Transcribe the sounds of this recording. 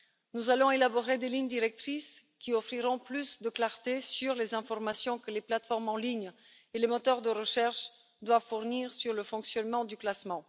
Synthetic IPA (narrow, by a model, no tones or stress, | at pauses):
nuzalɔ̃elabɔʁed̪eliɲd̪iʁɛk̚t̪χiskʲiɔfχiʁɔ̃plysd̪əklaʁt̪esyʁlezɛ̃fɔʁmasjɔ̃kəleplat̪fɔʁmɑ̃liɲ | elemɔt̪œʁd̪əʁəʃɛʁʃ | d̪wavfuʁniʁsyʁləfɔ̃ksjɔnmɑ̃d̪yklasmɑ̃